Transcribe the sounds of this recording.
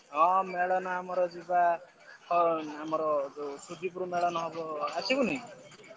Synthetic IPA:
ɔmeɭɔnɔamɔɾɔd͡ʒiba | hɔamɔɾɔsud̪ʱipuɾumeɭɔnɔɦɔbɔasikunʌj

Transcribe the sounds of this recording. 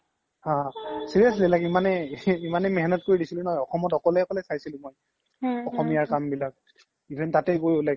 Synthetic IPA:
hãsiɹijɔslɛlakimanɛimanɛmɛɦɛnɔt̚koɹidisilʊnɔɔjɔxɔmɔtɔkɔlɛɔkɔlɛsajsilʊ̃moj | ɔxɔmijaɹkambilak̚ | ibʱɛntatɛjɡojlɛk

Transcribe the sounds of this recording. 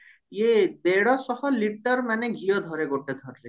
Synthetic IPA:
jed̪eɽɔsɔhɔliʈɔɾmaneɡʱijɔd̪ʱɔɾeɡoʈed̪ʱɔɾle

